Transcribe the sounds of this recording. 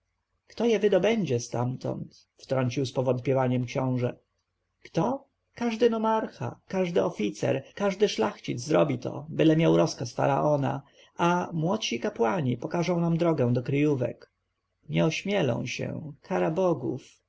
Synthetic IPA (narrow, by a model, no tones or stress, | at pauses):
kt̪ɔjɛvɘd̪ɔbɛɲd͡ʑɛst̪amt̪ɔ̰nt̪ | ft̪ɾɔɲt͡ɕiwspɔvɔnt̪̚pʲɛvaɲɛmkɕɔ̃w̃ʐɛ | kt̪ɔ | kaʐd̪ɘnɔmaɾxa̰kaʐd̪ɘɔfʲit̪sɛ̰ɾkaʐd̪ɘʂlaxt͡ɕid̪zzɾɔbʲit̪ɔ̰bɘlɛmʲjawɾɔskasfa̰ɾaʔɔna̰ | amwɔt̪ɕikapwaɲipɔkaʐɔ̃w̃namd̪ɾɔɡɛ̃w̃d̪ɔkɾɘjuvɛ̰k | ɲɛɔɕmʲjɛlɔ̰̃w̃ɕɛ̰kʰaɾabɔɡṵf